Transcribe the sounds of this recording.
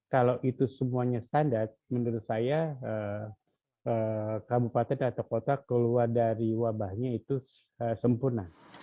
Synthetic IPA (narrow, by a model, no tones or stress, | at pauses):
kalawʔit̪usəmuaɲast̪andart̪̚mənduɾʊt̪̚sajaə | əkabupat̪ɛnat̪awkot̪akəluardaɾiwabahɲait̪u | əsəmpʊrna